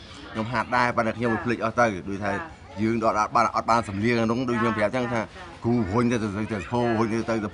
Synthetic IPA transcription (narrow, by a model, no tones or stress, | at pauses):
kʰɲomɦaːt̪̚ɗaɛpant̪ːaːkʰɲomʋɨːpʰlic̚ʔɑht̪əwɗoːc̚t̪ʰaɛ | jɨːŋɗoːt̪̚at̪̚ɓat̪ːʔɑt̪̚ɓaːnsɑmliəŋʔaːnʊŋɗoc̚kʰɲompəjap̚t͡ɕəŋt̪ʰaː | kuːpɦʊɲt̪at̪əzɨt̪əstʰoːɦʊɲt̪ət̪əwt̪ɨ